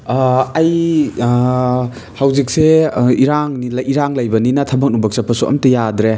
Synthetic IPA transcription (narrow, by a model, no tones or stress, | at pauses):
ɐj | hɐwzik̚seiɾaŋnilɐiɾaŋlɐjbɐninɐtʰɐbɐk̚nubɐk̚sɐpʰːɐsuʔɐ̰mtɐjadɾe